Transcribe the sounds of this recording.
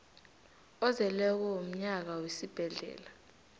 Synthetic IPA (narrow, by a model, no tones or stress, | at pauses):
ɔzɛlɛk̬ɔom̩ɲak̬awesib̥ʱɛɮɛ̰ːla